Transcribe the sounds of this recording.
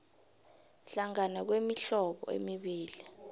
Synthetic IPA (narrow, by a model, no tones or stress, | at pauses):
ɬaŋanak̬wemiɬɔɓɔ̰ḛmiɓiːli